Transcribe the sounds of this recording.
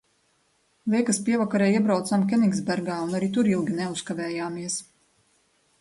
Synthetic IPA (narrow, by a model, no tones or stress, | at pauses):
lʲˠiɛkaspiɛvakaɾɛːiɛbɾawt̪samkʲɛniɡzbæɾɡaːunaɾit̪uɾilˠɡʲinɛuskavɛːjaːmiɛs